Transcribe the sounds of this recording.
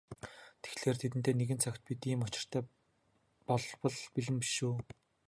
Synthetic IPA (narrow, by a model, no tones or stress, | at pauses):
t̪ʰe̥xɮeːrt̪ʰet̪ɘ̆nt̪ʰeːneɣɘ̆nt͡sʰœkʲt̪̚pit̪iːmʊt͡ɕɪ̆r̥t̪ʰæː | pɔɮwɞ̆ɮpiɮɘ̆mpi̥ʃuː